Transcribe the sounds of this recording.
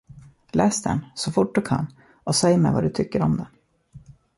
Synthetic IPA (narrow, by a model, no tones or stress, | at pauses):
lɛːsd̪ɛ̰nsɔfʊʈ̚ːd̪ɵkʰa̰nː | ɔsɛjːəmɛ̰va̰d̪ɵt̪ʰʏkːəɾɔmd̪ɛ